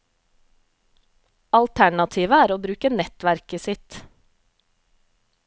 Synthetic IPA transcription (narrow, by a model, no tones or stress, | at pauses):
ɑlt̪ʰæɳɑt̪ʰiːʋəæːɾoːbɾʉːkənɛt̪ʋæɾkəsɪt̪